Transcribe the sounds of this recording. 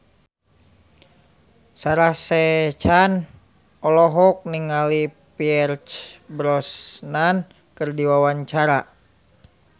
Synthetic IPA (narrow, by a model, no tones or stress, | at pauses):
saɾahsɛt͡ʃan | ɔlɔɦɔk̚niŋali | piɛrt͡ʃbɾɔsnan | kɨrdiwawaɲt͡ʃaɾa